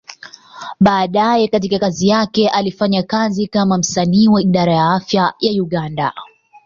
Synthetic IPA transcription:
ɓaːɗajɛkatikakazijakɛʔalifaɲakazikamam̩saniːwaiɗaɾajaafjajajuɠanda̰

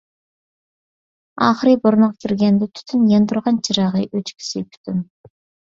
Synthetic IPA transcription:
ɑχəɾijbʊɾnəʁkʲʰiɾɡʲend̪ɪt̪ʰy̥t̪ʰynjend̪ʊɾʁɑnt͡ʃʰɪɾɑʁɨjʔøt͡ʃkʲʰi̥sɪpʰy̥t̪ʰyn

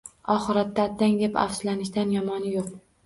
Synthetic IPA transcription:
ɒχɨɾat̪ːaːt̪ʰːaŋd̪e̞pa̰fslanɪʃd̪anjɒmɒnɪjoq̚

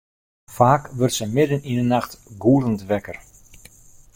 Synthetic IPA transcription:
faːkʋɵrtsəmɪdənindənaxtɡuːləntʋɛkər

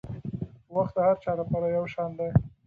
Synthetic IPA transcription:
waxt̪̚d̪əhaɾt͡ʃɑlapɑɾajawʃɑnd̪aj

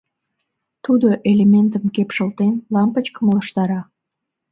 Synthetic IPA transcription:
t̪ud̪oʔelement̪əmkepʃəlt̪enlɑmpət͡ɕkəmoʃt̪ɑɾɑ

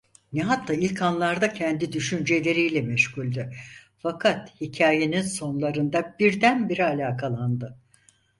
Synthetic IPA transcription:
nɛɦat̪ʰːaːilʲkʰanlˠaɾd̪acʰɛnd̪id̪yʃynd͡ʒelʲe̞ɾijlʲɛmɛʃhulʲd̪ɪ | fakʰat̪hicʰaːje̞ninso̞nlˠaɾɯnd̪abiɾd̪ænbiɾialʲaːkʰalˠand̪ɯ

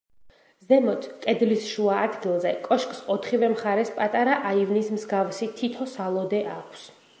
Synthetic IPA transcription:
zɛmɔt̪ʰkʼɛd̪lisʃuaːd̪ɡilˠzɛkʼɔʃkʼsɔt̪ʰχivɛmχaɾɛspʼat̪ʼaɾaʔaivnismzɡavsit̪ʰit̪ʰɔsalˠɔd̪ɛʔakʷʰs

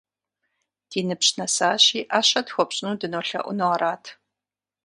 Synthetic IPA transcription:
d̥iːnɨpɕnɐsaːɕiːʔaːɕɐtxʷɔpɕʼnuːdɨnoːɬɐ̰ʔʷʊ̰nɨʁɐɾaːtʰ

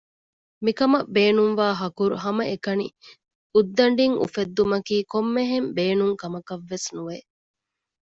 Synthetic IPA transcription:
mikɐmɐbeːnuŋʋaːɦɐkuɾuɦɐmɐʔekɐnḭ | ud̪ːɐɳɖiŋʔṵfed̪ːumɐkiːkomːeɦembeːnuŋkɐmɐkɐʋːesnuʋe

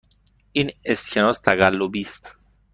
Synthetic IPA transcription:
inesçanost̪aɡalobist̪

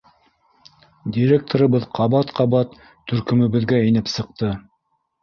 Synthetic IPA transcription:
dʲiɾʲek̚t̪ʰoɾɤ̆βɤðqʰɑβɑt̪qʰɑβɑt̪ʰː | ɵ̆ɾkɵ̆mɘ̆βɘ̆ðɡæinɘpsɤ̆q̚t̪ɤ

